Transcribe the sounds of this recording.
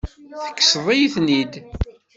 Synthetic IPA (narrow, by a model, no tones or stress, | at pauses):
θə̥kːsðˤijθnid̪